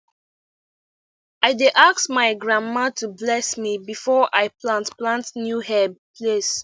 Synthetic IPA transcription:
aɪdeʔaksmaɪɡɹãmːatʰublɛsmibifɔʔaɪplãntplãntnjuhɛbpʰles

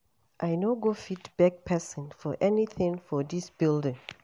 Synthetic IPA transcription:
ʔajnoɡofitb̥ɛk̚pʰɛsɔ̃nfɔʔɛniθɪ̃ŋfɔdisb̥ildɪ̃ŋ

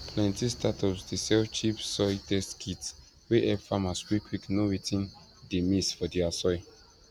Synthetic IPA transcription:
pʰlɛ̃ntistatʰɔpsdisɛt͡ʃipsɔjtɛskʰit | weʔɛvfamaskwikʰwiknoɹitʰĩn | demisfɔdiasɔj

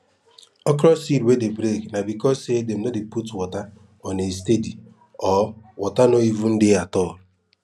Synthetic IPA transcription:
ɔkɾɔsiɾwedebɾeknabikɔsedem̩nɔdɪputwɔta | ɔnestedi | ɔwɔtanoivun̩dɪatɔ

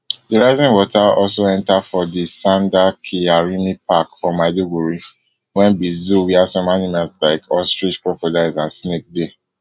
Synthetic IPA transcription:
diɹaɪzĩŋwɔtʰaɔlsoɛ̃ntafɔdisãndakʰiaɹimipakfɔ̃madiɡuɹi | wɛ̃nbizuwiasɔ̃manimalslaɪkʰɔstɹit͡ʃpɹɔpɔdaɪzãnsnek̚de

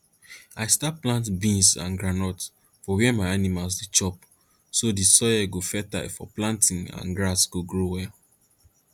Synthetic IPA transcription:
aɪstaplãntbĩnsã̰nɡɹanɔt | fɔwɛɛmaɪanimalsdit͡ʃɔp | sodisɔjɛɡofɛta̰fɔ̰plãntĩŋã̰nɡɹasɡ̥oɡɹowɛ

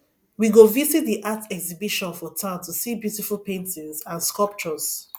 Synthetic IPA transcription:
wiɡovizit̚ðiʔatɛksibiʃɔ̃nfɔtʰãʊ̃ntusibjutifulˠpẽntɪ̃zãnskɔlˠp̚t͡ʃɔz̥

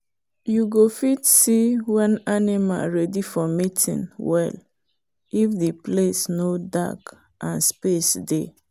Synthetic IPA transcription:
juɡofitsiwãnanima̰lɹɛdifɔmitʰḭ̃nwɛ̰l | ifdiplesnoda̰k | ʔãnspesde

